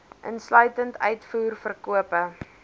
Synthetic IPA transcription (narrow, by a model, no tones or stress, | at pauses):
ʔə̰nslœɥtəntʰœɥtfuːrfərkuəpə